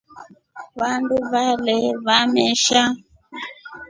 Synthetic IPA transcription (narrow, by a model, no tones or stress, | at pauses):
βanduβalɛβamɛʃa